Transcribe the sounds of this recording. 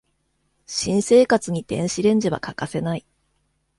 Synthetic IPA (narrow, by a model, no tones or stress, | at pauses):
ɕĩɰ̃se̞ːkat͡sɨɲ̟it̪ẽ̞ɰ̃ɕiɾẽ̞ɲ̟d͡ʑiβa̰kakase̞nai